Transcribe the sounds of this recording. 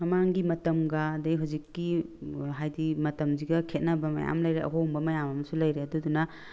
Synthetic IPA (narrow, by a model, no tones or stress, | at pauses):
mɐmaŋɡimɐtɐmɡɐːdɐiɦazikːiɦajdimɐtɐmziɡɐkʰet̚nɐbɐmɐ̰ja̰mlɐjɾeʔɐ̰ɦombɐmɐjamɐmɐsulɐjɾeɐdudunɐ